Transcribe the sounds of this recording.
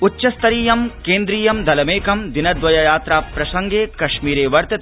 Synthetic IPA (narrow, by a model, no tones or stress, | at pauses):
ʊtːʃɐst̪ɐɾiːjɐmkẽːnd̪ɾiːjɐmd̪ʱɐlɐmeːkɐmd̪inɐd̪ʋɐjɐjaːt̪ɾaːpɾɐsɐŋɡeːkɐʃmiːɾeːʋɐɾt̪ɐt̪